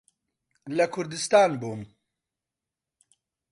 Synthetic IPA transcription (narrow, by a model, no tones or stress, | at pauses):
lɐkʰʊɾd̪ɨst̪aːnbuːm